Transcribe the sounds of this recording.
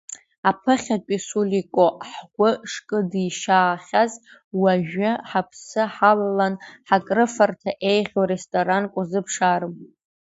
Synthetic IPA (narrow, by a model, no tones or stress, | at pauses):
apʰɨχʲatʼisulikʷʼoħɡʷʊʂkʼɨdiʃaːχʲaz | waʒᶣɨħapʰsɨħallanħakʼrɨfartʰaʔe̞jʁʲoɾestʼoɾankʷʼʊzɨpʰʂarɨm